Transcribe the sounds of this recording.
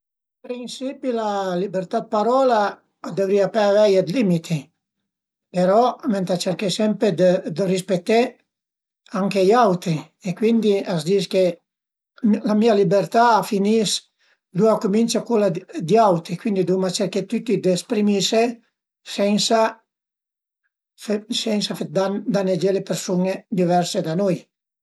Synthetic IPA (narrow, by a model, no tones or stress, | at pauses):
pɾinsipilalibeɾt̪ad̪̚paɾɔːlaː | d̪evɾiapɛvɛjad̪limit̪ʰi | peɾɔmɛnt̪at͡ʃeɾkesɛmpɾed̪d̪ərispet̪ːe | aŋkeiawt̪ɾi | ekwind̪iazd̪iske | lamialibeɾt̪aːfinis | d̪uakumint͡ʃakulad̪iawt̪ɾikwind̪id̪umat͡ʃeɾket̪ut̪ːid̪espɾimise | sɛnsa | sɛnsafed̪and̪aned͡ʒelepeɾsuned̪ivɛrsed̪anuj